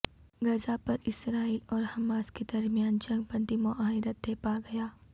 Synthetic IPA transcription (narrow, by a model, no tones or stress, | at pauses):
ɡɐzapɐɾɪsɾaːiːlɔːɾhɐmaːsked̪ɐɾmijaːnd͡ʒɐ̃ŋɡ̚pɐ̃nt̪imʊʔaːɦɪɾət̪̚d̪eːpaɡɐjaː